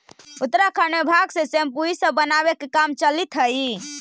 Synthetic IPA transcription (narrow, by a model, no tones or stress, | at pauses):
ut̪ɾakʰanebʱaɡsẽsempuisəbənabekekamt͡ʃəlit̪ʰɦəi